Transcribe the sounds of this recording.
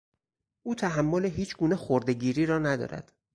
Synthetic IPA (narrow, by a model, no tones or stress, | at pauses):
ʔuːt̪ʰæɦæmːoleɦiːt͡ʃʰɡuːnexoɾd̪e̞ɟiːɾiːɾɒːnæd̪ɒ̰ːɾæ̰d̪̥